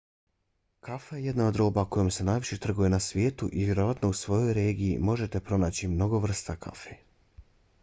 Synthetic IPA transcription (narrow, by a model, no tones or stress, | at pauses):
kafajeje̞d̪nao̞d̪ɾo̞ːbako̞jomse̞najʋiʃet̪r̩ɡuje̞nasʋje̞ːt̪uʔivʲʋje̞ɾo̞ʋat̪no̞usʋo̞jo̞jɾe̞ːɡijḭmo̞ʒe̞t̪e̞pɾo̞naːt͡ɕimno̞ɡo̞ʋr̩st̪akʰa̰fe